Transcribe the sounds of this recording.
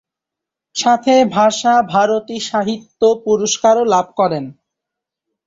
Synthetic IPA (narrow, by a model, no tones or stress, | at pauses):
ʃat̪ʰebʱaʃabʱaɾot̪iʃaɦit̪ːopuɾoʃkaɾolab̚ʱkɔɾen